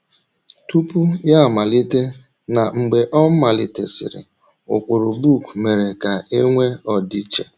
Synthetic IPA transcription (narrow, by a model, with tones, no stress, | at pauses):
tu˦pu˦ja˦˨ma˨li˦te˦ | na˨ŋ͡m̩˨ɡ͡be˨ʔɔ˦m̩˦ma˨lɪ̰˨tḛ˨sɪ̰˨ɾɪ̰˨ | ʊ̰˨kʷʊ˨ɾʊ˨bu˦˨kme˨ɾe˨ka˨e˦ŋʷe˦ɔ˨di˦t͡ʃe˨